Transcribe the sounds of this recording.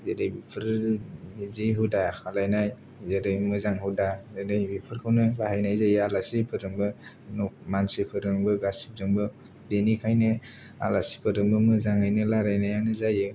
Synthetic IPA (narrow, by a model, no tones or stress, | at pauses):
zedajbipʰɯɾ | iziɦudakʰalajnaj | zedajmɯzaŋhɯdazedajbipʰɯɾkʰawnɯlahajnajzajɯalasipʰɯɾɯŋbɯ | nɔkmansipʰɯɾɯŋbɯɡasi̥p̚zɯŋbɯ | denikʰajnɯ | a̰lasi̥pʰɯɾɯmbɯmɯzaŋajnɯlaɾajnajanɯzajɯ